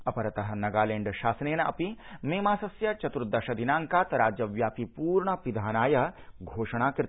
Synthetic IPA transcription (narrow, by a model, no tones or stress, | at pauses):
ɐpɐɾɐt̪ɐɦɐ̆nɐɡaːleːɳɖʃaːsneːnɐʔɐpimeːmaːsɐsjɐt͡ʃɐt̪ɾud̪ɐʃɐd̪inaːŋkaːt̪ɾaːd͡ʒjɐʋjaːpipuːɾɳɐpid̪ʱaːnaːjɐɦɡʱoːʃɐɽ̃aːkɾɪt̪